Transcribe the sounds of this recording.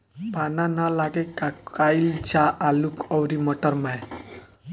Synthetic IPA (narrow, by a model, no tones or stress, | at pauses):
pananalaɡɛkakajld͡ʒaʔalukɔwɾimɔʈɔɾmaj